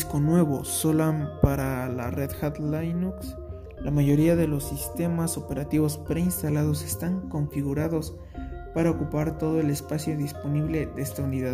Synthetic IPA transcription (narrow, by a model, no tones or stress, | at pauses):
sko̞nwe̞βo̞solampaɾala̰reðxat̪lajnuks | lamaʝo̞ɾiaðe̞lo̞sːist̪e̞masope̞ɾat̪iβo̞spɾe̞inst̪alað̞ose̞st̪aŋko̞ɱfiɣuɾaðo̞s | paɾaokupaɾt̪o̞ð̞o̞e̞le̞spasjo̞ðispo̞niβle̞ðeest̪auniðað